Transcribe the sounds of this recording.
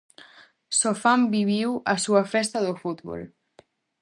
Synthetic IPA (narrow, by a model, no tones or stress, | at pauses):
sofambiβ̞iwasuafɛst̪aðəfut̪βɔ̰l